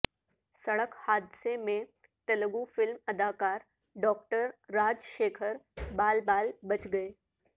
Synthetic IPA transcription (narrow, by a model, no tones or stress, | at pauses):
sɐɽəkhaːd̪semẽ | t̪ɐlɡufɪlmɐd̪ʱaːkaːɾ | ɖɔːk̚ʈəɾːaːd͡ʒʃeːkʰəɾbaːlbaːlbɐt͡ʃɡɐeː